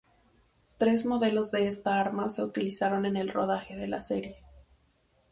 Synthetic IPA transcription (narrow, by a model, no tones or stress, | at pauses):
t̪ɾe̞zmo̞ðe̞lo̞zðe̞est̪aaɾmase̞ut̪ilisaɾo̞ne̞ne̞lro̞ð̞axe̞ðe̞lase̞ɾje̞